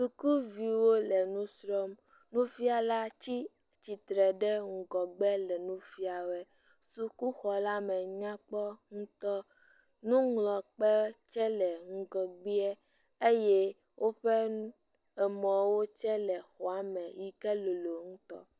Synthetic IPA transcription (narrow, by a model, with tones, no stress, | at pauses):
su˨ku˦vi˨wo˦lɛ˨nũ˦sɾɔ˦m | nũ˦fi˦a˨la˦t͡ɕi˦ | t͡ɕi˨t̪ɾɛ˨ɖɛ˦ŋ̩˨ɡɔ˨ɡ͡bɛ˦lɛ˨nũ˦fi˦a˨wɛ˦ | su˨ku˦xɔ˨la˦mɛ̃˨ɲã˦k͡pɔ˦ŋũ˦t̪ɔ˦ | nũ˦ŋlɔ˨k͡pɛ˦t͡ʃɛ˦lɛ˨ŋ̩˨ɡɔ˨ɡ͡bi˦ɛ˦ | e˦je˦ | wʔo˦ɸɛ˦ | ɛ˨mɔ̃˨wo˦t͡ʃɛ˦lɛ˨xɔ˨a˨mɛ̃˨ji˦kɛ˦lo˨lo˨ŋũ˦t̪ɔ̰˦